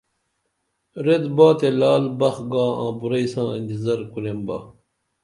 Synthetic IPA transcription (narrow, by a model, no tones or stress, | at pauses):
ɾed̪baːt̪elaːlbɐxɡaːã̰ːbuɾɐisãːind̪izɐɾkuɾemba̰ː